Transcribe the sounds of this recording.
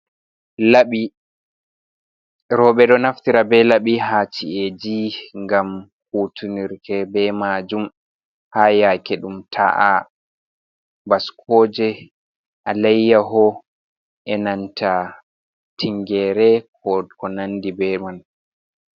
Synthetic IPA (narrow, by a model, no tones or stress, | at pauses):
laɓi | ɾɔɓɛɗɔnaftiɾabɛlaɓiɦaːt͡ʃied͡ʒiŋɡamhuːtʰuniɾtʰɛbɛmad͡ʒum | haːjakɛɗumtʰa̰ʔa̰ | baskʰɔd͡ʒɛ | ʔalɛjːaɦɔ | ʔɛnantʰa | tʰiŋɡɛːɾɛkɔkɔnanːdibɛman